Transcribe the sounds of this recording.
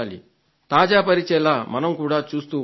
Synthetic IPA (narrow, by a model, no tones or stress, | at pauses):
aːlḭ | t̪aːd͡ʒaːpɐɾit͡ʃɛːlaːmɐnɐmkuːɽaːt͡ʃuːst̪uː